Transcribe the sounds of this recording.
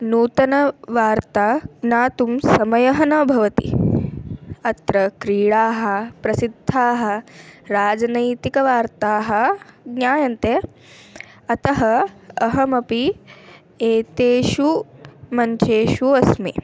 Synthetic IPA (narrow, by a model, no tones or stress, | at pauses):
nuːt̪ɐnɐʋaːɾt̪aːnaːt̪umsɐmɐjɐɦɐnɐbʱɐʋɐt̪ḭ | ɐt̪ɾɐkɾiːɭaːɦɐ̆pɾɐsid̪ʱːaːɦɐ̆ɾaːd͡ʒɐnɐjt̪ikɐʋaːɾt̪aːɦɐ̆ɡnjaːjɐnt̪e | ɐt̪ɐɦɐɐɦɐmɐpi | eːt̪eːʃumɐɲt͡ʃeːʃuɐsmḛ